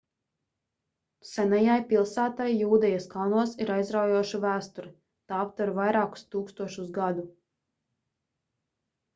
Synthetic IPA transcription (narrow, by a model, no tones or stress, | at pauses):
sɛnɛjajpʲilˠsæːt̪ajːuːd̪ɛjaskalˠnuɔsiɾajzɾawjuɔʃuvæːst̪uɾi | t̪aːapt̪vuɾvajɾaːku̥st̪uːkst̪uɔʃuzɡad̪u